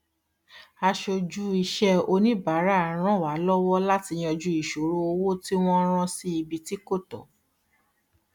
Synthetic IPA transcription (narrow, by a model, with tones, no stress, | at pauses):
a˧ʃo˧d͡ʒu˦i˧ʃɛ˦o˧nĩ˦ba˨˦ɾa˦˨ɾ̃ã˦˨wa˨˦lɔ˦wɔ˦la˦ti˧j̃ɔ̃˧d͡ʒu˧˦i˦˨ʃo˨˦ɾo˦o˧wo˦ti˦w̃ɔ̃˦ɾ̃ã˦˧si˦i˧bi˧ti˦ko˦˨tɔ̰˨˦